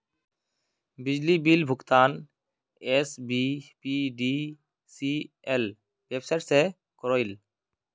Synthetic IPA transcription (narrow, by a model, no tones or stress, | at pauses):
bid͡ʑlibilbʱukt̪an | esbipiɖi | si | el | bebsajʈse | kɔɾojl